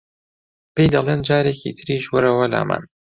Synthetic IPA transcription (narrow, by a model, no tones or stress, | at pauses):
pejd̪ɐlˠeːnd͡ʒaːɾecḭt̪ʰɨɾiʃwʊɾɐwɐla̰ːma̰ːn